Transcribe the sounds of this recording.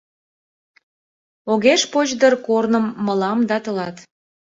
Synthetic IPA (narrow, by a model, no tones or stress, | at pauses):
oɣeʃpot͡ɕd̪ərkornəmːə̆lɑmd̪ɑt̪ə̆lɑt̪